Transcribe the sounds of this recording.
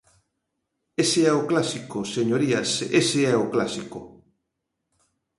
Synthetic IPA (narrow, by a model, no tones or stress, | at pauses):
eseɛoklasikoseɲoɾiaseseɛoklasiko